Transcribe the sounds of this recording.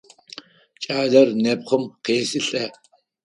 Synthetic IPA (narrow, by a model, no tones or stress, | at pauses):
t͡ʃʼaːɮɐrnɛpχəmqeːsɨɬʼɐ